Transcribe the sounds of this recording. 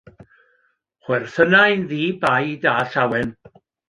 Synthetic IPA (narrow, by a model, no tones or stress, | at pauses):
χwɛrθənajnðiːbajdaːɬawɛn